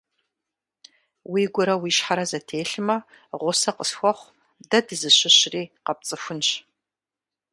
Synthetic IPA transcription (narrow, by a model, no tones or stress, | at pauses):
wiːɡʷʊɾɐwiːʃħaɾɐzɐtʰeːɬɨmɐ | ʁʷʊsɐqəsxʷɔχʷ | dɐdɨzɨɕɪɕriːqɐp̚t͡sʼɨfʷʊnɕ